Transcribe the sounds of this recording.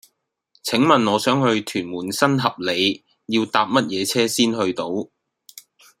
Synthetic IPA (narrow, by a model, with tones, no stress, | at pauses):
t͡sʰɪ˨˥ŋmɐ˨nŋɔː˨˧sœː˨˥ŋɦɵ˧ɥt̪ʰyː˨˩nmuː˨˩nsɐ˥nɦɐ˨p̚le˨˧j | jiː˧wt̪aː˧p̚mɐ˥t̚jɛː˨˧t͡sʰɛː˥siː˥nhɵ˧ɥt̪o˨˥w